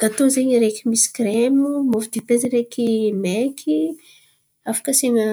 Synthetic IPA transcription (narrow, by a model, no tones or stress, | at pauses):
ɡ̥at̪ozeɲiɾekimisi̥kɾemumovid̪ipeziɾekimekʲʰi | afə̥kəseŋə